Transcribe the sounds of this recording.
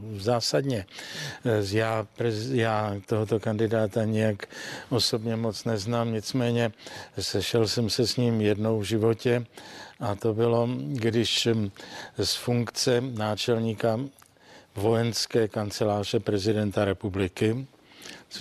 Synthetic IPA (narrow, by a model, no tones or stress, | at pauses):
zaːsadɲɛ | jaːpɾɛzjaːt̪oɦot̪o̞kandɪdaːt̪aɲɪjakʔo̞so̞bɲɛmo̞t͡snɛznaːmɲɪt͡smɛːɲɛsɛʃɛlsɛmsɛsɲiːmjɛdno̞wvʒɪvo̞cɛʔat̪o̞bɪlo̞ɡdɪʃ | sfuŋkt͡sɛnaːt͡ʃɛlɲiːka | vo̞jɛnskɛːkant͡sɛlaːr̝ɛpɾɛzɪdɛnt̪aɾɛpublɪkɪ